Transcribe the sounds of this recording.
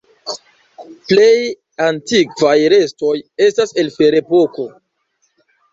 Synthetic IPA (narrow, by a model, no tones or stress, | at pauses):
plej | antikvajɾe̞sto̞je̞stase̞lfeɾe̞poko̞